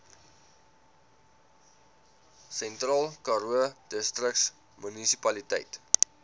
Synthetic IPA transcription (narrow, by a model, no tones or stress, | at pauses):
sɛntrɑːlˠkɑɾuəd̥əstrəks | mynisipɐlitɛ̰jt